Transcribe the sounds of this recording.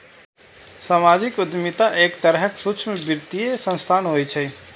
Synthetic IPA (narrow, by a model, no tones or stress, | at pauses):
samad͡ʒikud̪mit̪aʔekt̪əɾɦəksut͡ʃʰmebiɾt̪ijesə̃nst̪ʰanɦojt͡ʃʰɛ